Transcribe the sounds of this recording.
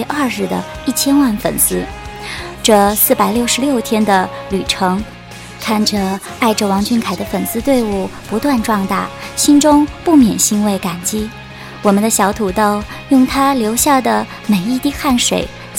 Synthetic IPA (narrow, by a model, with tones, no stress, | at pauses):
ʔɐ˥˧ɻɻ̩˥˩d̪ə̰˩i˥˩t͡ɕʰjɛ˥nwa˥˩nfə̰˨˩nsɹ̩˥ | ʈ͡ʂɤ˥˧sɹ̩˥˩pa˨˩ɪljo˥˩ʊʂɻ̩˧˥ljo˥˩ʊt̪ʰjɛ˥nd̪ə˨ly˨˩ʈ͡ʂʰɤ˧˥ŋ | kʰa˥˩nʈ͡ʂə˩ | a˥˩ɪʈ͡ʂə˨˩wɑ˧˥ŋt͡ɕy˥˩nkʰa˨˩ɪd̪ə˦fə˨˩nsɹ̩˥˧t̪we˥˧ɪu˥˩pu˧˥t̪wa˥˧nʈ͡ʂwɑ˥˧ŋt̪a̰˥˩ɕi˥nʈ͡ʂʊ˥ŋpu˥˩mjɛ̰˨˩nɕi˥nwe˥˩ɪka˨˩nt͡ɕi˥ | wɔ˨˩mə˦nd̪ə˧ɕjɑ˧˥ʊt̪ʰu˨˧˩t̪o˥˧ʊ | jʊ˥˩ŋt̪ʰa˥ljo˧˥ʊɕja˥˩d̪ə˩ | me˨˩ɪi˥˧t̪i˥˧xa˥˩nʂwḛ˨˩˦ɪ